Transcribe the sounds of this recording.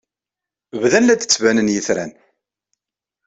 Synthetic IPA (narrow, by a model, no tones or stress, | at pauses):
vðænlæt͡sə̥t͡sːvænənjəθɾæ̰n